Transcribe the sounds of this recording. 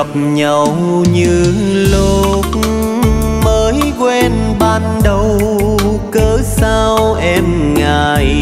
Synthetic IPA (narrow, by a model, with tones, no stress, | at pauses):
ə˨˩p̚ɲə˨˩w | ɲɨ˧˩lo˨˧˩ | t̚ | məː˨˦jkwɛ˧n | ɓaː˧˩nɗə˨˧˩w | kəː˨˦saː˧wʔɛ˧m | ŋaː˨˩j